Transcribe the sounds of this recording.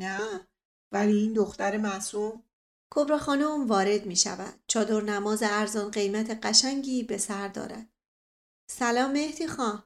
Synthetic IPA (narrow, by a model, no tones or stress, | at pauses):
næ | væliːiːnd̪oxt̪æɾemæsum | kʰobɾɒːxɒːnoumvɒːɾe̞d̪miːʃæ̰væ̰d̪̥̚t͡ʃʰɒːd̪o̞ɾnæmɒːzeæɾzɒːnɢe̞jmæt̪ʰe̞ɢæʃæŋɟiːbe̞sæɾd̪ɒ̰ːɾæ̰d̪̥ | sælɒːmːehd̪iːxɒ